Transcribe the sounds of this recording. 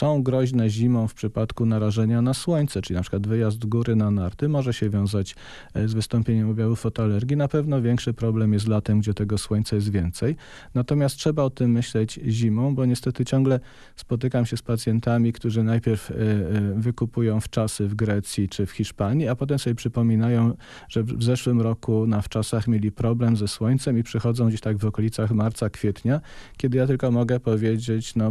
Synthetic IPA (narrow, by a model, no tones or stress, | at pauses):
sɔ̃w̃ɡɾɔʑnɛʑimɔ̃w̃fpʂɘpat̪kunaɾaʐɛɲanaswɔɲt̪sɛt͡ʂɘlʲinapʂɘ̥kwad̪vɘjazd̪ɡuɾɘnanaɾt̪ɘmɔʐɛɕɛvʲjɔ̃w̃zat͡ɕ | zvɘst̪ɔmpʲjeɲɛmɔbʲjavufɔt̪ɔalɛɾɡʲinapɛvn̪ɔvʲjɛŋkʂɘpɾɔblɛmjɛs̬t̪lat̪ɛmɡd͡ʑɛt̪ɛɡɔswɔɲʲt̪sajɛs̬t̪vʲjɛnt̪sɛj | nat̪ɔmʲast̪̚ʂɛbaɔt̪ɘmːɘɕlɛd͡ʑʑimɔ̃w̃bɔɲɛst̪ɛt̪ɘt͡ɕɔ̃ŋɡlɛ | spɔt̪ɘkamɕɛspat̪sʲjɛnt̪amʲikt̪uʐɘnajpʲjeɾf | vɘkupujɔ̃w̃ft͡ʂasɘvɡɾɛt̪sʲjit͡ʂɘfxʲiʂpaɲiapɔt̪̬ɛmsɔbʲɛpʂɘpɔmʲinajɔ̃w̃ | ʐ̥ɛvzɛʂwɘmɾɔkunaft͡ʂasaxmʲjelʲipɾɔblɛmzɛswɔɲt̪sɛmipʂɛxɔd̪zɔ̃w̃ɡd͡ʑeɕt̪aɡvɔkɔlʲit̪saxmaɾt̪sakfʲjɛt̪ɲakʲɛd̪ɘjat̪ɘlkɔmɔɡɛpɔvʲjed͡ʑet͡ɕnɔ